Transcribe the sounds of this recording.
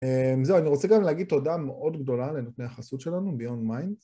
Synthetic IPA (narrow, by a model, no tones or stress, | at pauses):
emzeuaniʁo̞t͡seɡamleaɡid̪̚t̪o̞dameʔo̞dɡdo̞lale̞notne̞jaχasut̪ʃe̞lanubeonmajn